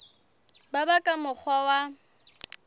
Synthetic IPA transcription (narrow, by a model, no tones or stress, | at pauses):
babakʼamʊk͡xʰwawa